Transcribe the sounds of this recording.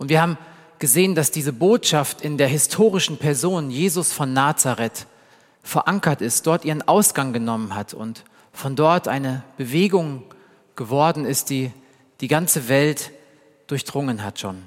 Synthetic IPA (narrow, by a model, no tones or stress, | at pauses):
ʔʊntviːɐhaːbm̩ | ɡ̥əzeːəndasd̥iːzəboːtʃaftɪndeːɐhɪstʰoːʁ̞ɪʃn̩pʰɛɐzoːnjeːzʊsfɔnːaːt͡saʁɛt | fɛɐʔaŋkɐtɪst̚d̥ɔɐtʔiːʁənʔaʊsɡ̥aŋɡənɔmənhatʰʊ̰nt | fɔndɔɐtʔa̰ɪnəb̥əveːɡʊŋ | ɡ̥əvɔɐdn̩ɪst̚d̥iː | d̥iːɡant͡səvɛlt | d̥ʊɐçd̥ʁʊŋənɦatʃo̰ːn